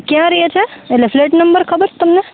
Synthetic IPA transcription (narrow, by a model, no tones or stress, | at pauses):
kjãɾɐɦet͡ʃʰeelefleːʈnɐmbəɾkʰɐbəɾt̪ɐmne